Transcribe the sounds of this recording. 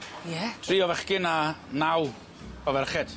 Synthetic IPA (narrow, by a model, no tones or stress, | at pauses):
jɛtʰriːɔvɛχɡɪnanaw | ɔvɛrχɛd̥